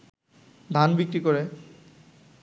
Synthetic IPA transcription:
d̪ʱanbikɾikoɾe

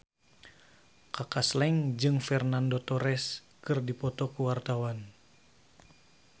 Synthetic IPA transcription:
kakaslɛŋd͡ʒɨŋfɛrnandot̪ɔɾɛs | kɨrdipɔt̪ɔkuwart̪awan

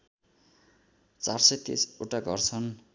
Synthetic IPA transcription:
t͡sarsʌjt̪ḭsuʈaɡʱʌrt͡sʰʌn

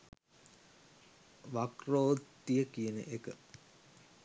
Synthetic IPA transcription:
ʋakroːt̪ːijəkijənə̰ʔekə

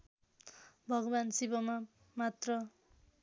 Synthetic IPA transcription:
bʱʌɡʌbansibʌma | mat̪rʌ

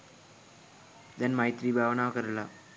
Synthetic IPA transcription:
d̪ɐnmajt̪ɾiːbʱaːʋɐnaːʋɐkɐɾɐla

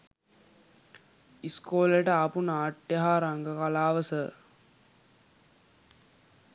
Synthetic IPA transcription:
iskoːleʈəapunaːʈːjɐɦaːɾaŋɡəkalaːʋəsə

